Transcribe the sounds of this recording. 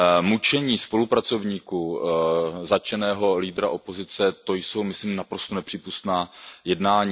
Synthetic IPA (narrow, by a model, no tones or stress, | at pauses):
mut͡ʃɛɲiːspo̞lupɾat͡so̞vɲiːku | zat͡ʃɛnɛːɦo̞liːdɾaʔo̞po̞zɪt͡sɛt̪o̞jso̞wmɪsliːmnapɾo̞st̪onɛpr̥iːpust̪naːjɛdnaːɲiː